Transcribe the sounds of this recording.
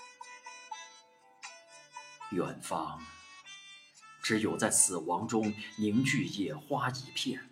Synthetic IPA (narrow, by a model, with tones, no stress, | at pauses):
jɛ̰˨˩nfɑ˥ŋ | ʈ͡ʂɻ̩˧˥jo˨˩ʊt͡sa˥˩ɪsɹ̩˨˩wɑ˧˥ŋʈ͡ʂʊ˥ŋni˧˥ŋt͡ɕy˥˧jɛ˥˩xwa˥t͡ɕi˧˥pʰjɛ˥˩n